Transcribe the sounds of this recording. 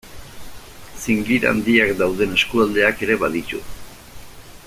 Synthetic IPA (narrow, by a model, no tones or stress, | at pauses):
siŋɡiɾa̰nd̪iakd̪awð̞e̞ne̞skuald̪e̞ake̞ɾe̞βaðit̪ṵ